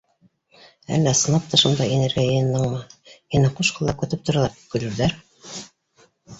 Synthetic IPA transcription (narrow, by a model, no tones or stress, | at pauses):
æ̰lːæsɤ̆nˠɑp̚t̪ɑʃund̪ɑinĕɾɡæjɤ̆jɤnːɤɴmɤhinæquʃqɑlˠɑkɵ̆t̪ɘp̚t̪ŏɾɑlˠɑɾikɵ̆lɘ̆ɾðæɾ